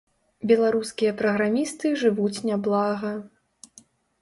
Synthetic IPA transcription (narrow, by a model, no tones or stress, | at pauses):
bʲɛlˠaɾuskʲijɐpɾɐɣɾamʲist̪ɨʐɨvut͡sʲnʲablˠaɣɐ